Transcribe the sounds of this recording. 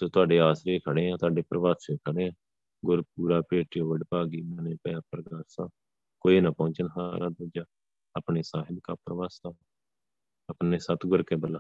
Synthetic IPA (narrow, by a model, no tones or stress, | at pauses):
soːt̪ʊaːɖeːaːsɾeːkʰəɽẽːãːt̪ʊaːɖeːpɾəʋaːt̪seːkʰəɽẽːãː | ɡʊɾp̚uːɾaːpeːʈiːoːʋəɖpaːɡiːmɛːnẽːpːãːpɾɡaːɾsaː | koːiːnaːpɔ̃ːt͡ʃənɦaːɾad̪əd͡ʒaː | əpɳeːsaːɦɪb̪kaːpɾəʋaːsaː | əpneːsət̪ʰɡʊɾkeːbəlːaː